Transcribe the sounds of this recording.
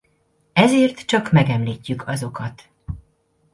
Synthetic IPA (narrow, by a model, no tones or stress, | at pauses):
ɛzeːrt̪t͡ʃɒkmɛɡɛmliːcːykʰɒzo̞kɒt̪